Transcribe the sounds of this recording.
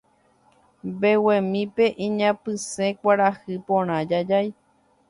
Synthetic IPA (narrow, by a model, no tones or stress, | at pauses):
bewẽmĩpe̞ʔĩɲãpɨsẽkʷaɾahɨpõɾ̃ãd͡ʒad͡ʒaj